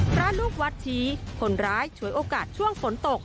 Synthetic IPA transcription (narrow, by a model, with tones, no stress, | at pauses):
pʰɾa˦˥luː˥˩k̚wa˦˥t̪̚t͡ɕʰiː˦˥kʰo˧nɾaː˦˥jt͡ɕʰu˩˦jʔoː˧kaː˨˩t̪̚t͡ɕʰu˥˩əŋfo˨˩˦nt̪o˨˩k̚